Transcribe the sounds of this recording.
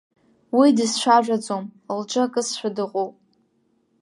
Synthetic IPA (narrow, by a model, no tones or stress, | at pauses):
widɨzʃʷaʒᶣʷad͡zomlʈ͡ʂʼakʼɨsʃʷᶣadɨqʼopʼ